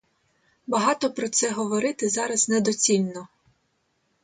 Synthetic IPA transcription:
bɐɦɑt̪ɔpɾɔt̪sɛɦɔʋɔɾɪt̪ɪzɑɾɐznɛd̪ɔt͡sʲilʲnɔ

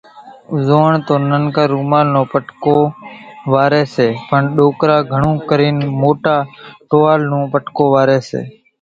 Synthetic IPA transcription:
ʊzoːɳt̪oːnənkãːɾuːmaːlnõːpəʈkoːʋaːɾeːseːpəɳɗoːkɾaːɡʱəɳũːkəɾiːnmoːʈaːʈoːaːlnũːpəʈkoːʋaːɾeːsḛː

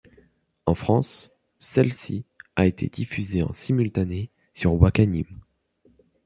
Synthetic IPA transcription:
ɑ̃fχɑ̃sː | ɛlsiaet̪ʰḛd̪ifyzeɑ̰̃simylt̪ane | syʁwakanim

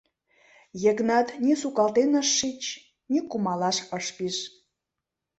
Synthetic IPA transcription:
jeknɑt̪nʲisukɑlt̪enəʃːit͡ɕ | nikumɑlɑʃəʃpiʃ

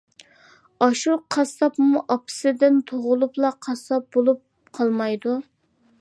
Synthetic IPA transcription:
ɑʃuqʰɑsɑpmuʔɑpʰɨ̥sɪd̪ɪnt̪ʰoʁʊlˠuplˠɑqʰɑsɑp̚bolˠup̚ | qʰɑlˠmɑjd̪u

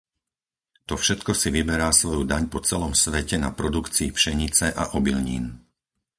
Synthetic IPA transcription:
t̪ɔfʃɛt̪kɔsiʋibɛɾaːsʋɔjud̪aɲpɔt͡sɛlɔmsʋɛcɛnapɾɔd̪ukt͡siːpʃɛɲit͡sɛʔa̰ʔɔbilɲḭːn

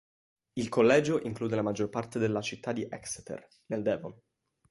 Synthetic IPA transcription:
ilkolːɛːd͡ʒoʔiŋkluːd̪elamad͡ʒːorpart̪ed̪elːat͡ʃit̪ːad̪iʔɛkst̪ḛr | neld̪ɛːvon

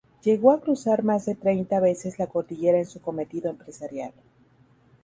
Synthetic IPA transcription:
ʝe̞ɣo̞akɾusaɾmazðe̞t̪ɾe̞jnt̪aβe̞se̞zlako̞ɾt̪iʝe̞ɾaensuko̞me̞t̪iðo̞empɾe̞saɾjal

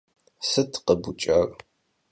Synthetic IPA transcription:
sɨtʰqəbut͡ʃʼɐr

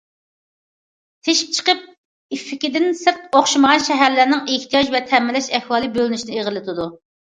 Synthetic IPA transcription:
t̪ʰeʃi̥p̚t͡ʃʰə̥qəp̚ | ifːɪkʲɪd̪ɪnsɪɾt̪oχʃiməʁɑnʃɛɦæɾlæɾnɪŋeht̪ʰijɑd͡ʒvɛt̪ʰɛmːɪlɛʃɛhwɑːlˠɨbølɪnyʃinɪeʁəlˠɨt̪ʰɨd̪u

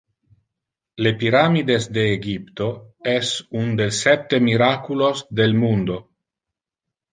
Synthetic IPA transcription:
lepiɾamid̪esd̪eːɡipt̪oɛsund̪elsɛt̪ːemiɾakulosd̪elmund̪o

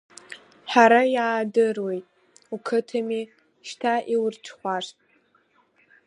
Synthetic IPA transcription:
ħaɾajaːdɨrwojtʼ | ukʰɨtʰami | ʃtʰaʔiwʊrʈ͡ʂʰχʷaʂtʼ

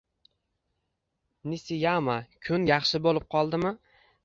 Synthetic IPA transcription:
nɪsɪjamakʲʰʊnjɑχʃɪbolˠɪp̚qʰɒlˠd̪ɪmɪ

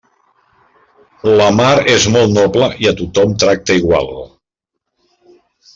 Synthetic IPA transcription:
ləmaɾezmɔlˠt̪nɔpləʔiət̪ut̪ɔmt̪ɾak̚t̪əiɣwa̰lˠ

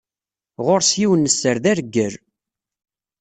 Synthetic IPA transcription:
ʁoɾsjiwənːəsːəɾðæɾɡːəɾ

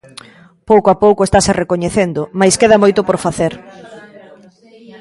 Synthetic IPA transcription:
powkoapowkoest̪aserekoɲeθend̪ʊmajskeðamojt̪ʊpoɾfaθeɾ

